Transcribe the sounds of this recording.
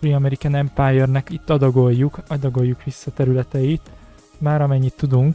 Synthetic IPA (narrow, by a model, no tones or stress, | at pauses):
riɒmɛɾikanɛmpajɛrnɛkit̪ːɒd̪ɒɡo̞jːukɒd̪ɒɡo̞jːukʋisːɒt̪ɛɾylɛt̪ɛjit̪ | maːɾɒmɛɲːit̪ːud̪uŋk